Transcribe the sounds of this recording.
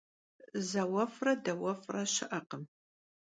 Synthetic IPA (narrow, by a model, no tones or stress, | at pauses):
zɐwɐfrɐdɐwɐfrɐɕɪʔɐqəm